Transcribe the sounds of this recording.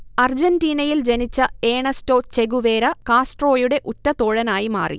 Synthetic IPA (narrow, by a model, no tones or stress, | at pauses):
ɐrd͡ʑɐndiːnɐjild͡ʑenit͡ɕːɐeːɳɐsto̞ːt͡ɕe̞ɣuʋe̞ːɾɐkaːsʈro̞ːjuɽe̞ʔutːɐt̪oːɻɐnaːjimaːrḭ